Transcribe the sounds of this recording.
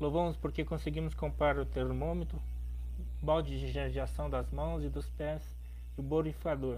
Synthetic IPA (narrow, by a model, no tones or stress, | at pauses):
lovɐ̃mʊspoɾkekõseɡĩmʊskõmpɾaɾʊt̪eɾmõmet̪ɾʊ | bawd͡ʒɪʒiʒẽd͡ʒɪasɐ̃w̃d̪ɐzmɐ̃w̃zɪd̪ʊspɛs | ɪʊboɾifikad̪oɾ